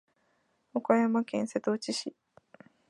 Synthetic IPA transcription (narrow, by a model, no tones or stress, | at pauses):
okajamakẽ̞ɰ̃se̞t̪ot͡ɕiɕi